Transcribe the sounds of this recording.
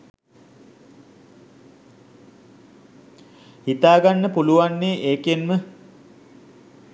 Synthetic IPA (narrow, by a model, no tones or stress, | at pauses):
hit̪aːɡanːəpuluʋanːeːʔeːkenmə